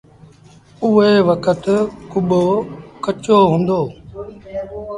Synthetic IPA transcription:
ʊɦeːʋəkət̪kʊɓoːkət͡ʃoːɦũːnd̪oː

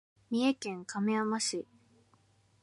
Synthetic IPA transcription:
mʲie̞kẽ̞ŋkameamaɕi

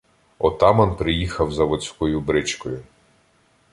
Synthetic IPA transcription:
ɔt̪ɑmɐnpɾɪjixɐwzɐʋɔt͡sʲkɔjʊbɾɪt͡ʃkɔjʊ

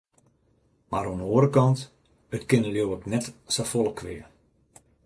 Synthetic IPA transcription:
maɾonoːəɾəkɑnt | ətkɪnəljowəknɛtsafolˠəkʰʋɪə

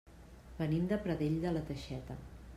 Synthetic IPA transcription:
bənimd̪əpɾəðeʎd̪ələt̪əʃɛt̪ə̰

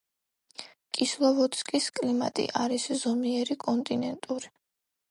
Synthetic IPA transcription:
kʼislˠɔvɔt̪skʼiskʼlimat̪ʼḭʔaɾiszɔmiɛɾikʼɔnt̪ʼinɛnt̪ʼuɾi

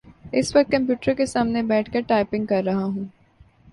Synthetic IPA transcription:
ɪsʋɐk̚t̪̚kɐ̃mpjuːʈəɾkesaːmnebɛːʈʰkɐɾʈaːɪpɪ̃ŋɡ̚kɐɾːɐɦaɦũː

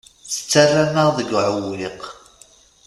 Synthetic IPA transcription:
θə̥t͡sːarːanəʁðəɡʕəwliq

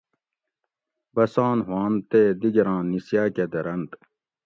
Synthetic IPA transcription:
bɐsãːnɦwãːnt̪eːd̪iɡɾãːnːisjaːked̪ɐɾɐnt̪

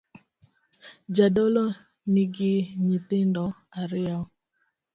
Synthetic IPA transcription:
d͡ʒadɔlɔ | niɡiɲitɪndɔ | aɾɪa

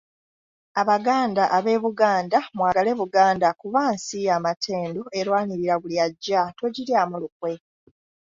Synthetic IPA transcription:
aβaɡaːndaʔaβe̞ːβuɡaːndamwaːɡale̞βuɡaːndakuβaːnsijaːmatʰe̞ːndoeɾwaːniɾiɾaɡuljaɟːato̞ɟiɾjaːmulukwe̞

